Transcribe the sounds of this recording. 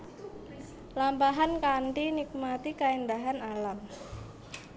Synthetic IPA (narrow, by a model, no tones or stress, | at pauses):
lambaɦankanʈ̪inik̚mat̪ikaindaɦanalam